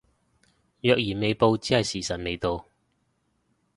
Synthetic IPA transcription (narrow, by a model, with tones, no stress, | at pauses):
jœː˧k̚jiː˨˩me˨˧jpo˧wt͡siː˥hɐ˨jsiː˨˩sɐ˨˩t̚me˨˧jt̪o˧w